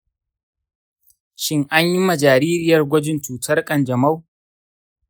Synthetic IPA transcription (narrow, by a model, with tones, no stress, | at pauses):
ʃɪ˦ŋʔa˦ɲji˦mɐ˨d͡ʒaː˨ɾiː˦ɾɪ˦jɐ˨rɡʷɔ˦d͡ʒɪ˦nt͡ʃuː˨tʰɐ˦rkʼɐ˨nd͡ʒɐ˨ma˦w